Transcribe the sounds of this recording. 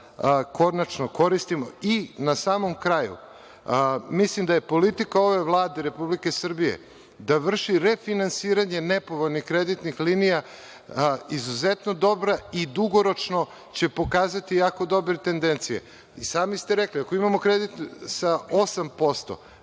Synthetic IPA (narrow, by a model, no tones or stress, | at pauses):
ko̞nat͡ʃnoko̞ɾist̪imo̰inasaːmo̞mkɾajṵ | mislimd̪aje̞po̞lit̪ikao̞ʋe̞ʋlˠaːd̪eɾe̞publike̞sr̩bije̞̰ | d̪aʋr̩ʃiɾefinansiːɾaɲe̞nepo̞ʋo̞ʎnixkɾed̪it̪nixlinija | izuzet̪no̞d̪o̞bɾaid̪uɡo̞ɾo̞t͡ʃno̞ | t͡ɕe̞po̞kaːzat̪ijaːko̞d̪o̞bɾet̪e̞nd̪e̞nt̪sijḛ | isaːmist̪e̞ɾe̞kliako̞imamo̞kɾe̞d̪it̪nsao̞sampo̞st̪o̞̰